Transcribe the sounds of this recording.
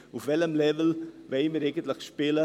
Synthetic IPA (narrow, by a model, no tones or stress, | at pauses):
ufvɛləmlɛvəl̩veɪməɾeɪɡəntləxʃpɪlə